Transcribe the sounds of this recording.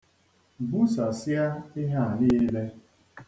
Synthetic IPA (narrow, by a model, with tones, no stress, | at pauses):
bu˦sa˨sja˦ɪ˦ɦa˦˨a˨ni˦le˦